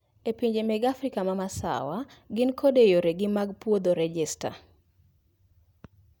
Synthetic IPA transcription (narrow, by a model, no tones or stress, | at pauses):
epiɲd͡ʒemɛɡafrikamamasa̰waɡɪnkʰodejoɾeɡɪmaɡpwod̪oɾɛd͡ʒɛsta̰